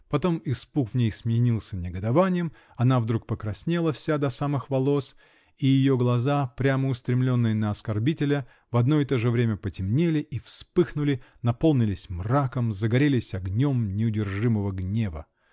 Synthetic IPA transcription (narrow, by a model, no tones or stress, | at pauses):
pɐt̪o̞mɪspukvnʲejsmʲɪnʲilˠsʲənʲɪɡəd̪ɐvanʲɪjəm | ɐnavd̪ɾuk̚pəkɾɐsʲnʲelˠəfsʲad̪ɐsamɨxvɐlˠo̞s | ijɪjoɡlˠɐzapɾʲaməʊst̪ɾʲɪmlʲo̞nːɨjənəɐskɐrbʲitʲɪlʲə | vɐd̪no̞ɪt̪o̞ʐɨvɾʲemʲəpətʲɪmnʲelʲɪʔifspɨxnʊlʲɪnɐpo̞lˠnʲɪlʲɪsʲmrakəmzəɡɐɾʲelʲɪsʲɐɡnʲo̞mnʲɪʊdʲɪrʐɨməvəɡnʲe̞və̰